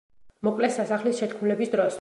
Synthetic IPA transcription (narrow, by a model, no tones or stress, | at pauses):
mɔkʼlɛsasaχlisʃɛt̪kʰmulɛbisd̪ɾɔs